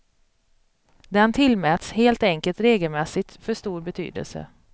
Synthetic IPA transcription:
d̪ɛnt̪ʰɪlmɛːt̪sheːlt̪ɛŋkəlt̪ɾeːɡəlmɛsɪt̪fœʂt̪uːɾbɛt̪ʰy̰ːd̪ə̰lsə̰

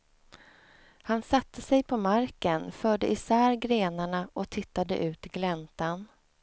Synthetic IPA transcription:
hansat̪ʰːəsɛjpʰɔmaɾkənfœːɖəʔɪsæːɾɡɾeːnaɳaʔɔt̪ʰɪt̪ːad̪ə̰ʔʉ̟ːt̪ɡlɛnt̪an

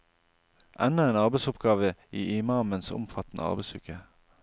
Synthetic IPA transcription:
ʔɛnəeːnɑʁbɛɪsʊpɡɑːʋəiːʔɪmɑːmənsʊ̰mfɑt̪n̩ʔə̰ɑ̰ʁbɛɪsʉkə

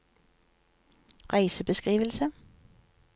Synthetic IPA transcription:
ʁæɪsəbəskʁiːʋəlsə

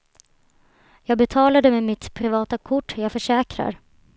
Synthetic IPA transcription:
jɑːɡ̚bɛt̪ʰɑːlad̪əmɛmɪt̪pʰɾɪvɑːt̪akʰʊʈːjɑːɡfœʂɛːkɾa̰ɾ

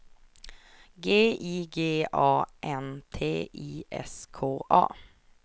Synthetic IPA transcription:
ɡeːiːɡeːɑːʔɛnt̪ʰeːʔiːʔɛ̰skʰoːʔɑ̰ː

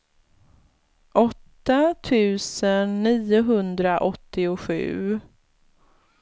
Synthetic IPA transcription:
ʔɔt̪ːat̪ʰʉ̟ːsənːiːʊɦɵnd̪ɾaʔɔt̪ːɪʊɧʉ̟ː

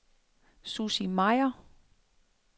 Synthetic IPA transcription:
susimɑɪɐ

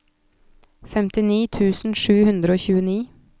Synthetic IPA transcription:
fɛmt̪ɪniːt̪ʰʉːsn̩ʂʉːhʉnd̪ɾəoːçʉːəniː

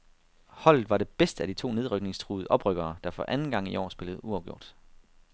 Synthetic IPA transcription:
hɒ̽l̰ð̩ˠʋɑ̈ɾe̝b̥esd̥əæd̥it͡sʰo̝̰ːne̝ð̞ˠʁœɡ̥ne̝ŋst͡sʰʁuːð̩ˠʔɒ̽b̥ʁœɡ̥ɐːd̥ɑ̈fɒ̽ʔænn̩ɡ̥ɑ̈ŋ̰iʔɒ̰ːsb̥e̝ləð̞̩ˠuɑ̈ʊɡ̥jo̝ɐ̰d̥

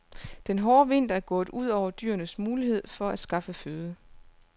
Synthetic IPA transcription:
d̥enɦɒːʋe̝n̰d̥æɐɡ̥ɔ̰̽ːð̩ˠuð̞̰ˠɒʊ̰ɐd̥y̰ːɐnəsmuːliɦe̝ð̰ˠfɒ̽æd̥sɡ̥ɑ̈fəføːðˠə

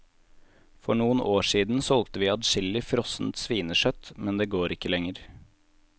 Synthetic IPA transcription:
fɔɳuːənʔoːʂiːd̪n̩sɔlt̪əʋiːɑt̪ʃɪlɪfɾɔsn̩t̪sʋiːnəʃœt̪mɛnd̪eːɡoːɾɪkːəlɛŋəɾ

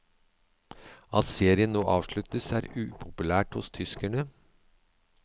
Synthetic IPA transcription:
ɑt̪seːɾɪənnoːʔɑːʋʂɭʉt̪əsæːɾʉːpʰʊpʉlæːʈhʊst̪ʰʏskæɳə

